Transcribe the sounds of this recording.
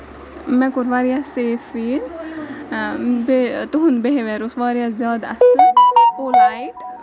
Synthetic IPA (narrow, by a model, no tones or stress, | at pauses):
mɛ̃kuɾʋaːɾijaseːfiːn | bet̪uɦunbeɦeʋeɾusʋaːɾijazjaːd̪ɐ̰sɨpolaiʈ